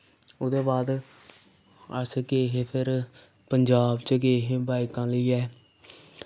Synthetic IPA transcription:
ʊd̪eːbaːd̪ | əskeːɦeːpʰɪɾ | pəɲd͡ʒaːbt͡ʃəkeːɦeːbaːɪkãːləiːɛː

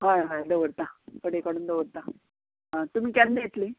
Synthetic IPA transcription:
ɦajɦajd̪əʋəɽt̪apəɽekəɽuːnd̪əʋəɽt̪a | ɦat̪um̤iːkanːejet̪li

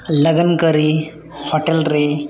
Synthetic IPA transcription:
ləɡənkəɾi | hoʈelɾe

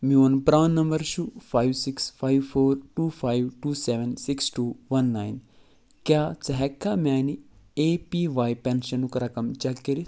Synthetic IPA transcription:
mionpɾaːnːɐmbɐɾʃufʰaːjʋsiksfʰaːjʋfʰoːɾʈuːfʰaːjʋʈuːseʋensiksʈuːʋɐnːaːjn | kjaːt͡sɐɦɛkːaːmʲaːni | eːpiːʋaːjpenʃɐnukɐɾɐkɐmt͡ʃɐkːiɾi

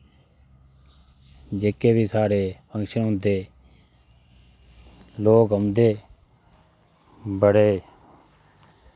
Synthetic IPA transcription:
d͡ʒeːkeːbiːsaːɽeːpʰə̃ŋkʃənɦʊ̃nd̪eː | loːkɦəmd̪eː | bəɽeː

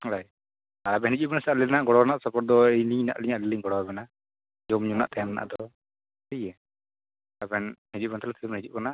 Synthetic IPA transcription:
laj | aɾabɛnɦid͡ʒuʔbɛnasaalɛnaʔɡɔɽɔanaʔsɔpɔɾ̚d̪ɔɛjliɲna̰ʔliɲaʔlɛliɲɡɔɽɔɛbɛna | d͡ʒɔmɲuna̰ʔt̪ajamna̰ʔad̪ɔ | əjɛ | abɛnhid͡ʒuʔ̚bɛnt̪alat̪ʰibɛnhid͡ʒuʔkanaʔ

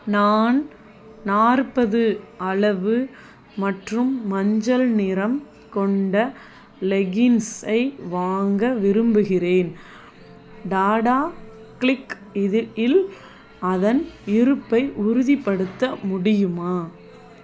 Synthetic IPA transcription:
naːn | naːrpɐðɯɐɭɐʋɯ | mɐʈrɯmːɐɲd͡ʒɐlnɪɾɐm | kɔɳɖɐ | lɛɣɪnsɐɪʋaːŋɡɐʋɪɾɯmbɯɣɪreːn | ɖaːɽaː | klɪk | ɪðɪl | ɐðɐnɪɾɯpːɐɪʔʊɾʊðipːɐɽɯt̪ːɐmʊɽɪjɯmaː

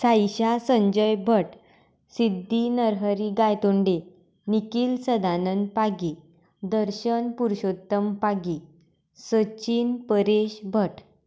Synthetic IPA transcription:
sajɕasəɲd͡ʑəjbʱəʈ | sid̪ʱːinəɾɦəɾiɡajt̪oɳɖe | nikiːlsəd̪anən̚paɡi | d̪əɾɕənpuɾɕot̪ːəmpaɡi | sət͡ɕiːnpəɾeɕbʱəʈ

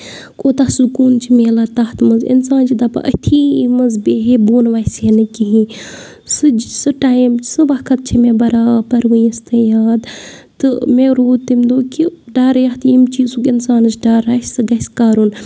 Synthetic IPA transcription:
kʼoːt̪asukuːnt͡ʃʰimeːlaːt̪aːt̪mɐzḭnsaːnt͡ʃʰid̪apɐ̰ʔɐ̰t̪ʰiːmɐzbeːɦeboːnʋaːsenɨkiɦĩ | sɨsɨʈaːjmsɨʋakʰɐt̪̚t͡ʃʰimẽbɐɾaːpɐɾʋɨjɐst̪ɐjaːd̪t̪ɨmẽɾoːd̪̚t̪imʲd̪oːkiɖaːɾjaht̪imt͡ʃiːzukinsaːnɨsɖaːɾaːssɨɡɐskaːɾun

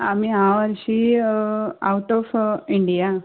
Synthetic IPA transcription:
ɐmiaːʋɐɾʂi | ɐwʈːoːfiɳɖija

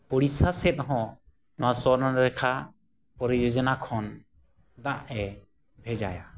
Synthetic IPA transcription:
pɔɽisasɛt̪̚ɦɔ̃ | nɔwasɔɾnɔnɾɛkʰa | pɔɾid͡ʒɔd͡ʒɔnakʰɔn | d̪aʔɛ | bʱɛd͡ʒaja

